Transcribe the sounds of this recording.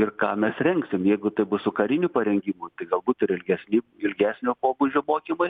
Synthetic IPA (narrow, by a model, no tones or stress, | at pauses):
ɪrkɑːmʲɛsrʲɛŋksʲɪmjɛɪɡʊt̪ɐɪbʊsʊkɐɾʲɪnʲuːpɐɾʲɛŋʲɡʲimuːt̪ɐɪɡɐlˠbuːt̪ɪɾɪlʲɡʲɛsʲnʲɪɪlʲɡʲæːsʲnʲoːpoːbʊd͡ʒʲoːmoːkʲɪmɐɪ